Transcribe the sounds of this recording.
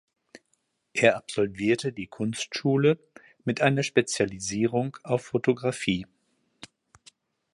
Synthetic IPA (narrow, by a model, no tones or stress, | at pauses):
ʔeːɐʔapz̥ɔlviːɐtədiːkʰʊnstʃuːlə | mɪtʔaɪnɐʃpet͡sjaliziːʁ̞ʊŋʔaʊfːotʰoɡʁafiː